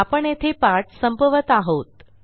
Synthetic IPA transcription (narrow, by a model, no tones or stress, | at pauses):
apəɳet̪ʰepaʈ̚səmbəʋət̪aɦot̪